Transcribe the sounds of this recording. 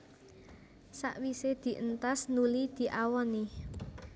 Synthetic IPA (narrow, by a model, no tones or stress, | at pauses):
sa̰ʔwised̪̥i̤ʔənt̪asnulid̪̥i̤ʔawɔni